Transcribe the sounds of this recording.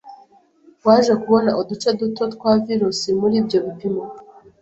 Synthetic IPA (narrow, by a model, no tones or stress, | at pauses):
waːʒekuβo̞naʔodut͡ʃedutotkwaviɾusimuɾiːbjo̞βipimo